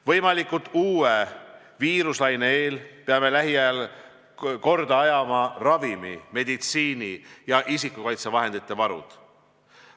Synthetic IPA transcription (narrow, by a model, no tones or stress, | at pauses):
vɤjmɑlikːˑut̪ːˑuːe | viːɾuslɑjneeːlpeɑme̞læɦiæl | ko̞rd̪ɑɑjɑmɑrɑvimḭme̞d̪it̪siːnijɑʔisikːukɑjt̪sevɑɦe̞nd̪it̪ːˑe̞vɑɾṵd̪̥